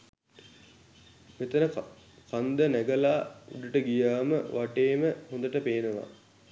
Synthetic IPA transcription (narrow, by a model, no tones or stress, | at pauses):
met̪ənə | kand̪ənæɡəlaːuɖ̪uʈəɡijaːməʋaʈeːməhõnd̪əʈəpeːnəʋa̰